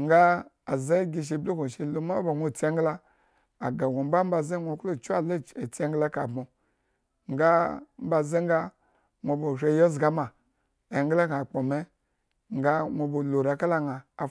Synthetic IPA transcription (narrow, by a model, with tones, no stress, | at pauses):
ŋɡa˦ | a˨za˦ɡi˧ʃ̬i˨blu˦ko˨ʃe˨lo˦ma˦ba˨ŋʷo˦˨t͡se˦ŋ˦ɡlaː˦˨ | ɡa˨ɡʷo˨m˦ba˦m̩˦ba˨ze˦ŋʷo˨klo˦˨t͡ʃu˦a˨le˦˨e˨t͡si˦e˦ŋ˦ɡla˦ka˨bmo˨ | ŋɡa˦m̩˦ba˨ze˦ŋɡa˦ | ŋʷo˨bo˨ʃʷe˦˨jo˦zɡa˦ma˨ | e˨ŋɡla˦ka˨k͡po˨me˦ | ŋ˦ɡa˦ŋʷo˨bo˨lo˨ɾa˨ka˦la˦ŋaː˨